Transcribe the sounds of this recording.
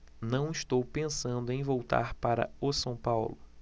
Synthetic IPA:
nɐ̃w̃ɪʃt̪owpẽsɐ̃nd̪ʊẽj̃vowt̪a̰ɾpaɾɐ̰ʊsɐ̃w̃pawlʊ

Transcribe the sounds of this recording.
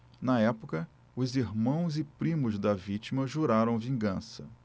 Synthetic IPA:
nɐɛpʊkɐ | ʊziɦmɐ̃w̃zɪpɾĩmʊzd̪ɐvit͡ʃimɐʒuɾaɾɐ̃w̃vĩŋɡɐ̃sɐ

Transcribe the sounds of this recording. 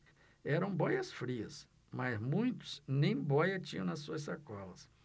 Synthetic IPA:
ɛɾɐ̃w̃bɔjɐsfɾiɐ̰s | mɐzmũj̃t̪ʊ̥z̥nẽj̃bɔjɐt͡ʃĩɲɐ̃w̃nɐssuɐsakɔlɐs

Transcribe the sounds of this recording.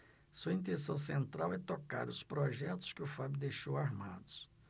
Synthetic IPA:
suɐĩnt̪ẽsɐ̃w̃sẽnt̪ɾawɛt̪oka̰ɾʊspɾoʒɛt̪ʊ̥skɪʊfabʊd̪ejʃowaɾma̰d̪ʊs

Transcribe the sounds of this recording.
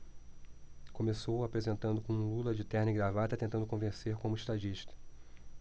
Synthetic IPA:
kõmesowapɾezẽnt̪ɐ̃nd̪ʊkõũlulɐd͡ʒɪt̪ɛɾnɪɡɾavat̪ɐt̪ẽnt̪ɐ̃nd̪ʊkõvẽseɾkõmʊiʃt̪ad͡ʒiʃt̪ɐ̥

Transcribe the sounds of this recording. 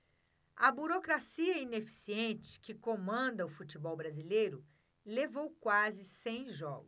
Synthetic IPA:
ɐbuɾokɾasiɐinefi̥siẽnt͡ʃɪ̥kɪkomɐ̃d̪ɐʊfut͡ʃibɔwbɾazilejɾʊ | levowkwazɪsẽj̃ʒɔɡʊ

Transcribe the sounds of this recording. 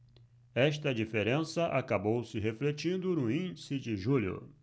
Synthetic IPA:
ɛʃt̪ɐd͡ʒifeɾẽsɐʔa̰kabowsɪɦeflet͡ʃĩnd̪ʊnʊĩnd͡ʒisɪd͡ʒɪʒulʊ̰

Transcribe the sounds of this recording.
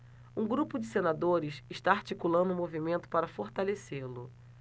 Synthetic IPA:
ũɡɾupʊd͡ʒɪsenad̪oɾɪsɪʃt̪aaɾt͡ʃikulɐ̃nd̪ʊ̃movimẽnt̪ʊ̥paɾɐfoɾt̪aleseɾlʊ

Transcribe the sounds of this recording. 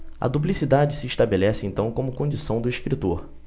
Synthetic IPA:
ɐ̰d̪up̬lisid̪ad͡ʒɪsɪiʃt̪abelɛsɪẽnt̪ɐ̃w̃kõmʊkõd͡ʒisɐ̃w̃d̪ʊiʃkɾit̪oɾ

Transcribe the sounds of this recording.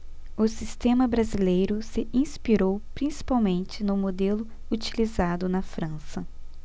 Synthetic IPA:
ʊsist̪ẽmɐbɾazilejɾʊsɪʔĩspiɾowpɾĩsi̥pawmẽnt͡ʃɪnʊmod̪elʊ | ut͡ʃilizad̪ʊnɐfɾɐ̃sɐ

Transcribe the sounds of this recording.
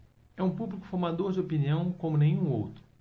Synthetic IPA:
ɛũpublikʊ̥foɾmad̪oɾd͡ʒɪopiniɐ̃w̃kõmʊnẽj̃ũo̰wt̪ɾʊ̥

